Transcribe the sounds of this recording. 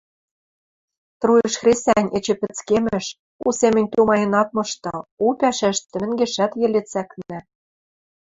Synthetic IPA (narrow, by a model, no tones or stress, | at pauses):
t̪rujɘ̆ʃxrʲesænʲet͡ɕɘ̆pɘ̆t͡skemɘ̆ʃ | usemɘ̆nʲt̪umɑjɤ̆nɑt̪̚mɤ̆ʃt̪ɤ̆upʲæʃæʃt̪ɘ̆mɘ̆ŋɡeʃæt̪jĕlet͡sæknɘ̆